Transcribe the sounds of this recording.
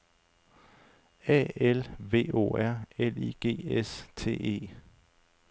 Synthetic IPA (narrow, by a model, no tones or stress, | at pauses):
ɛ̰ːelʋe̝̰ːo̝̰ːæɐ̰eliːɡ̥e̝̰ːest͡sʰe̝̰ːe̝̰ː